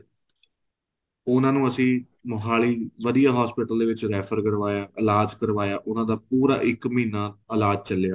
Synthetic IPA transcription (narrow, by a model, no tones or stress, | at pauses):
ʊnãːnũːəsĩː | mʊɦaːliːʋəd̪ijaːɦɔːspɪʈəld̪eːʋɪt͡ʃɾɛːpʰəɾɡəɾʋaːjaːʔɪlaːd͡ʒkəɾʋaːjaːʔʊnãːd̪aːp̚uːɾa̰ːʔɪkməiːnaːəlaːd͡ʒt͡ʃəlejaː